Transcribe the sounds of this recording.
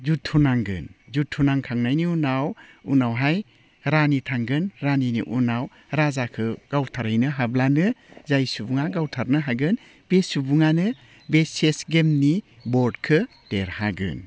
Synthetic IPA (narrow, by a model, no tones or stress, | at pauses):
zutʰːunaŋɡɯ̰nzutʰːunaŋkʰaŋnajniunawṵnawɦaj | ɾanitʰaŋɡɯnɾaninḭʔṵnaw | ɾazakʰɯɡ̥awtʰaɾajnɯɦablanɯzajsubuŋaɡawtʰaɾnɯɦaɡɯn | b̥esubuŋanɯ | besesɡemni | bɔɾdkʰɯ | teɾhaɡɯ̰n